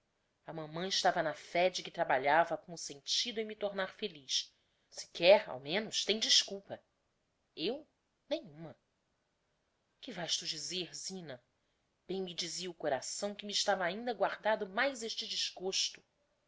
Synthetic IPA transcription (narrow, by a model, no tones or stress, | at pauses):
ɐmɐ̃mɐ̃ɪʃt̪avɐnɐfɛd͡ʒɪkɪt̪ɾabaʎavɐkõʊsẽnt͡ʃid̪ʊẽj̃mit̪oɾnaɾfeliʃ | sɪ̥kɛɾa̰wmẽnʊʃt̪ẽj̃d͡ʒiʃkuwpɐ | ew | nẽj̃ũmɐ | kɪvajʃt̪ud͡ʒizeɾzĩnɐ | b̥ẽj̃mid͡ʒiziɐʊkoɾasɐ̃w̃kɪmiʃt̪avɐːĩnd̪ɐɡwaɾd̪ad̪ʊmajzeʃt͡ʃɪd͡ʒizɡoʃt̪ʊ̥